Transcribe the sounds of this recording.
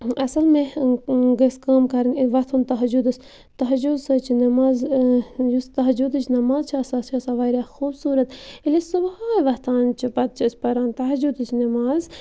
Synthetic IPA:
ɐsɐlmẽ | ɡɐskaːmkɐɾɨnʋɐt̪ʰunt̪ɐɦɐd͡ʒud̪ɨsʲ | t̪ɐɦɐd͡ʒud̪sɐt͡ʃʰinɐmaːzjust̪ɐɦɐd͡ʒud̪ɨt͡ʃʰnɐmaːzt͡ʃʰɐsaːst͡ʃʰaːsaːʋɐːɾaxuːbsuːɾɐt̪ilisubaːjʋɐht̪ʰaːnt͡ʃʰipɐt̪̚t͡ʃʰisʲpɐɾaːnt̪ɐɦɐd͡ʒud̪ɨt͡ʃʰnɐmaːz

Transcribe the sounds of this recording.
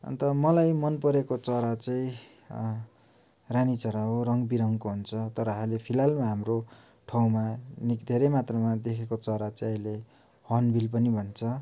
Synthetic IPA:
ʌ̰nt̪ʌmʌlajmʌnpʌɾekot͡sʌɾat͡saĩ | ranit͡sʌɾaɦorʌŋɡbiɾʌŋkoɦunt͡sʰʌt̪ʌɾʌɦʌlepʰilalmaɦamro | ʈʰʌw̃manikd̪ʱeɾʌjmat̪rʌmad̪ekʰekot͡sʌɾat͡sʌ̃ʌjle | hʌnbʱilpʌnibʱʌnt͡sʰʌ

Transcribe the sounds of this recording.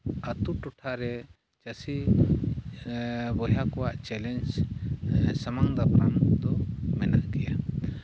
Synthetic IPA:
ət̪uʈɔʈʰaɾɛ | t͡ʃəsi | bɔjakɔwaʔt͡ʃɛlɛnd͡ʒ | samaŋd̪apɾa̰md̪ɔmɛnaʔɡɛja

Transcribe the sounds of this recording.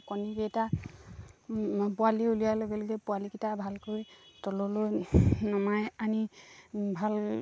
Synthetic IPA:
kɔnibɛɛta | pʊaliulijaloɡɛloɡɛpʊalikitabʱalkoɹitɔlɔlojnɔmajani | bʱal

